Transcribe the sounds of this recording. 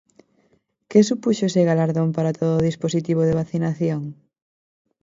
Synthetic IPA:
kesupuʃoseɣalaɾðompaɾat̪oðoːðisposit̪iβ̞oðeβ̞aθinaθjoŋ

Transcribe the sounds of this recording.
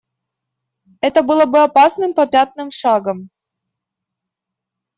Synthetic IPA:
ɛt̪əbɨlˠəbɨɐpasnɨmpɐpʲat̪̚nɨmʂaɡəm

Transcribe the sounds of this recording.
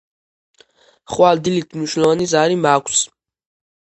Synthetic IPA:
χwald̪ilit̪ʰmniʃwnlˠɔvanizaɾimakʷʰs

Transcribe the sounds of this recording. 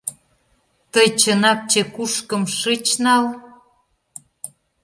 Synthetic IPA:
t̪əjt͡ɕənɑk̚t͡ɕekuʃkə̆mʃɨt͡ɕnɑl

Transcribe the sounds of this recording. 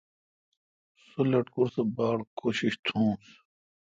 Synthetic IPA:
sulɐʈkuɾsebaːɽkʰoːɕiɕt̪ʰũːs

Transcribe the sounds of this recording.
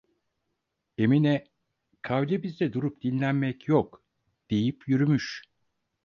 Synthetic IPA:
e̞minɛ | kʰavɛbizd̪ɛd̪uɾup̚d̪̥inlʲænmɛcjok | d̪̥ejipʰjyɾymyʃ

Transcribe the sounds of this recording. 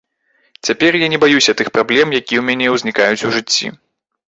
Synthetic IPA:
t͡sʲapʲɛrjanʲɛbajusʲɐt̪ɨxpɾablʲɛmjakʲiwmʲanʲɛwzʲnʲikajut͡sʲuʐɨt͡sʲːḭ

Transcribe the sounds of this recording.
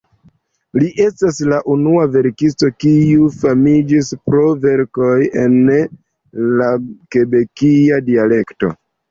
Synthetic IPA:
liʔe̞staslaʔunuave̞ɾkisto̞kiufamid͡ʒispɾo̞ve̞ɾko̞je̞n | lake̞be̞kiadiale̞kto̞̰

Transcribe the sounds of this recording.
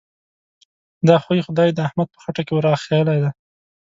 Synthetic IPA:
d̪ɑxwaixʊd̪ɑjd̪əahmad̪̚pə̥xaʈakewɾɑxejəlajd̪a

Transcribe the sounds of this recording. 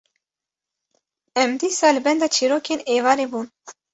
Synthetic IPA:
ɛmd̪iːsɑːlɨbɛnd̪ɑt͡ʃʰiːɾoːkeneːvɑːɾeːbuːn

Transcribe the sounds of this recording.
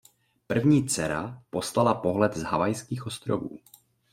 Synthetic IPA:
pr̩vɲiːt͡sɛɾa̰po̞slalapo̞ɦlɛd̪zɦavajskiːxʔo̞st̪ɾovṵː

